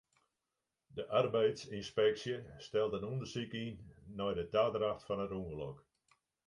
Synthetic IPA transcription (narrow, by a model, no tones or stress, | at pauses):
dəʔarbɛjtsinspɛksjəstɛlˠdənundərsikinːɔjdədaːdɾaxtfɔnətuŋərlɔk